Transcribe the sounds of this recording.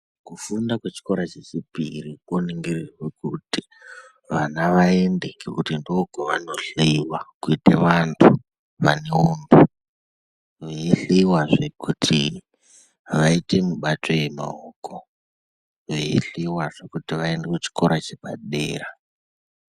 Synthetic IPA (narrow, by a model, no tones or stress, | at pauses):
kufundakwet͡ʃi̥ko̞ɾat͡ʃet͡ʃipirikoniŋɡirirwekuti̥ | ʋanaʋaende̞kekutindokoʋanoɬiwakuiteʋantʰu | ʋaneundu | ʋeiɬiwaʐekutʰi | ʋaite̞muɓatʰo̞je̞ma̰okʰo | ʋeḭɬiwaʐekutiʋaendekut͡ʃi̥ko̞ɾat͡ʃeɓa̰ɗeːra